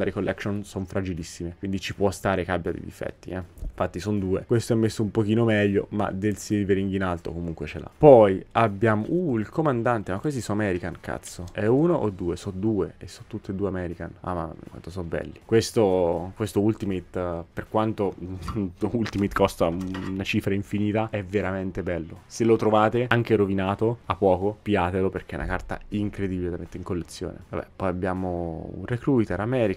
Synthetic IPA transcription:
aɾikolːʔɛksonsonfɾad͡ʒilisːimekwind̪it͡ʃipwɔst̪aːɾekabːjad̪ḭd̪ḭfɛ̰t̪ːḭɛiɱfat̪ːisond̪uːekwest̪oɛmːesːoumpok̟iːnomɛʎːo̰ma̰d̪elsiveɾiŋɡinalt̪o̰komuŋkwet͡ʃela̰pɔjabːjaːmo̰uilkomand̪ant̪emakːosisɔamɛːɾikankʰa̰t̪sːoɛuːnoʔod̪ːuːesɔd̪uːeesːɔt̪ːut̪ːed̪ːuːeamɛːɾikana̰ma̰kwa̰nt̪osɔbɛ̰lːikwest̪okwest̪oult̪imit̪ːperkwant̪o | ult̪imit̪kʰost̪aunat͡ʃiːfɾaiɱfiniːt̪aɛvːeɾament̪ebɛlːoselot̪ɾovaːt̪eaŋk̟eɾovinaːt̪oapːɔːkopjaːt̪eloperk̟ḛnʔa̰kart̪a̰iŋkɾed̪ibiled̪amet̪ːeiŋkolːet̪sːjo̰ːnḛvabɛ̰pːɔjabːjaːmoṵnrekɾuit̪eɾamɛːɾi

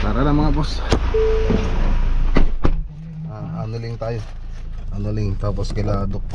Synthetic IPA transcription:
paːɾɐlɐŋmɐŋabos | ʔaːʔɐnolɪŋt̪aːjo | ʔɐnolɪŋt̪aːposkɐlad̪ok̪̚

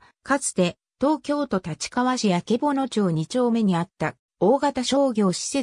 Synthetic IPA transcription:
kat͡sɨ̥t̪e̞ | t̪o̞ːkʲo̞ːt̪o̞t̪at͡ɕi̥kaβaɕijake̞bo̞no̞t͡ɕoːɲ̟it͡ɕo̞ːme̞ɲ̟iat̪ːa | oːɡat̪aɕo̞ːɡʲo̞ːɕi̥se̞

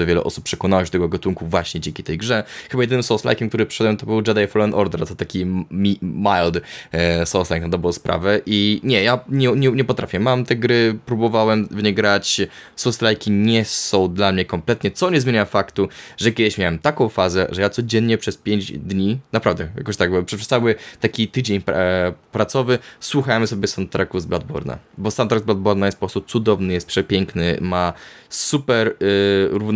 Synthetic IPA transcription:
ɛvʲjɛlɛ̰ʔɔ̰su̥p̚ːʂɛkɔnawat͡ɕt̪ɛɡɔɡɔt̪uŋkuvwaɕɲɛd͡ʑẽŋʲkʲit̪ɛjɡʐɛxɘbajɛd̪ɘnmsɔwsla̰jkʲɛmk̚t̪uɾɘpʂɨ̥ʂɛd̪wɛmt̪ɔbɘwɖ͡ʐad̪ajfɔlɔɛnʔɔɾd̪ɛɾt̪ɔt̪akʲimʲimajld̪sɔwslajknad̪ɔbɾɔ̃w̃spɾʔa̰vɛʔiɲɛjaɲɛɲɛɲɛpɔt̪ɾʔafʲjɛmamt̪ɛɡɾɘpɾubɔvawɛmvɲɛɡɾat͡ɕsɔwslajkʲiɲɛsɔ̃w̃d̪lamɲɛkɔmplɛt̪ɲɛt̪sɔɲɛzmʲeɲafakt̪uʐɛkʲjɛd̪ɘɕmʲjawɛmt̪akɔ̃w̃fazɛʐɛjat̪sɔd͡ʑɛnɲɛpʂɛspʲjeɲd͡ʑd̪ɲinapɾavd̪ɛja̰kɔɕt̪aɡ̚bpʂɛʂɛsawɘt̪akʲit̪ɘd͡ʑeɲppɾat̪sɔvɘswuxajmsɔbʲjɛst̪ant̪ɾakuzblad̪̚bɔ̰ɾna̰bɔst̪ant̪ɾaɡ̪zblad̪̚bɔɾnajɛst̪pɔpɾɔst̪usud̪ɔvnɘjɛst̪̚pʂɛpʲjɛŋknɘ̰masupɛɾɾuv

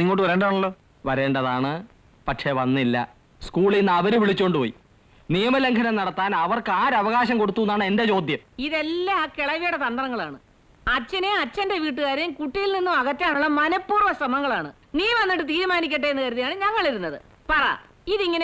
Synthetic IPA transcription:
niŋːo̞ːʈːɨʋɐɾe̞ːɳɖðaːɳɐlːo̞ː | ʋɐɾe̞ːɳɖɐðaːɳɨ | pɐʈʂe̞ʋɐnːilːɐ̰ | skuːɭinːɐʋɐɾuʋiɭit͡ɕːoɳɖɨpoːjḭ | nijɐmɐleŋkʰɐnɐnɐɽɐt̪ːaːnɐʋɐrkɨaːɾɐʋɐɣaːɕɐmko̞ɽut̪ːuunːaːɳɨe̞nde̞t͡ɕo̞ːd̪ʱjɐmiðelːaːkeɭɐʋijɐɽet̪ɐnd̪rɐŋːɐɭaːɳɨ | ɐt͡ɕːɐneɐt͡ɕːɐnde̞ʋiːʈːɨɣaːɾɐjmkuʈːijilninːumɐɣɐtːjaːɳuɭːɐmɐnɐpːuːrʋɐsɐmɐŋːɐɭaːɳɨ | niːmʋɐnːiʈːɨt̪iːɾumaːnikʲːɐʈːeenːɨkɐɾuðijaːɳɨɲɐŋːɐɭiɾunːɐðɨ̰ | pɐrɐ̰ | iðiŋːɐne

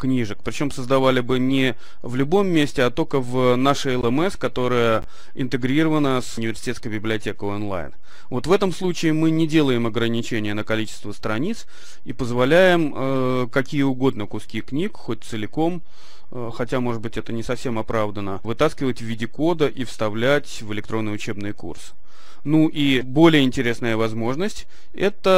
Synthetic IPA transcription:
knʲiʐɨk̚pɾʲɪt͡ɕo̞msəzd̪ɐvalʲɪbɨnʲɪ | vlʲʊbo̞mːʲesʲtʲɪɐt̪o̞lʲkəvnaʂɨɛlˠɛmɛskɐt̪o̞ɾəjə | ɪ̰nt̪ɨɡɾʲiɾəvənəsʊnʲɪvʲɪrsʲɪ̥tʲeskəjbʲɪblʲɪɐtʲekəonlˠa̰jn | vo̞t̪vɛt̪əmslˠut͡ɕɪɪmɨnʲɪdʲe̞lˠəjɪmɐɡɾənʲɪt͡ɕenʲɪjənəkɐlʲit͡ɕɪ̥st̪vəst̪ɾɐnʲit̪s | ipəzvɐlʲæjɪm | əkɐkʲijəʊɡo̞d̪nəkʊskʲixknʲikxot̚ʲt̪sɨlʲɪko̞m | xɐtʲamo̞ʐɨd̪bɨtʲɛt̪ənʲɪsɐfsʲe̞mɐpɾavd̪ənəvɨt̪askʲɪvətʲvʲɪdʲɪko̞d̪əʔifst̪ɐvlʲætʲvɨlʲɪkt̪ɾo̞nːəjʊt͡ɕe̞bnɨjəkṵrsɨ̥ | nuʔibo̞lʲɪjəɪnʲtʲɪɾʲe̞snəjəvɐzmo̞ʐnəsʲtʲ | ɛt̪ə

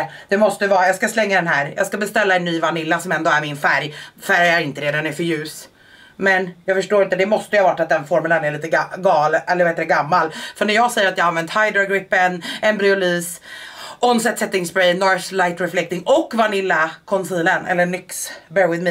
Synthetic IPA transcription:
d̪̥ɛmɔst̪əvɑːajɑːɡskaslɛŋːad̪ɛnɦæːɾjʔɑ̰ːɡskabɛst̪ɛlːaɛnːyːvanɪlːasɔmɛnd̪oːæɾmɪnfæɾjfæɾjæɾɪnt̪əɾeːd̪anæɾfœɾjʉ̟ːs | mɛnjɑːɡfœʂʈoːɾɪnt̪əd̪ɛmɔst̪əjəhɑːvaʈːat̪d̪ɛnfɔɾmɛlənæɾɭiːt̪əɡɑːlɛlːɾheːt̪ːɾɛɡamːalfœɳæɾjɑːɡsɛjːəɾat̪jɑːhanvɛnt̪hajd̪ɾaɡɾɪpːənɛnbɾɪʊlyːs | ʔɔnsɛt̪sɛt̪ːɪŋsbɾɛjnɔslajt̪ɾɛflɛkt̪ɪŋɔkːvanɪlːakʰɔnsiːlənɛ̰lːəɳʏksbɛɾwɪðmɪ

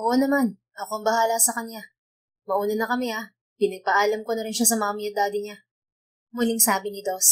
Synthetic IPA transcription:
ʔoʔonɐman | ʔɐko̞ʔɐŋbɐhaːlɐsɐkɐɲja | mɐʔuːnɐnɐkɐmɛa | pɪnɐɡ̚pɐʔaːlɐmkonɐɾɪnʃasɐmaamɪjɐd̪aːd̪ɪɲa | mʊlɪŋsaːbɪnɪt̪os

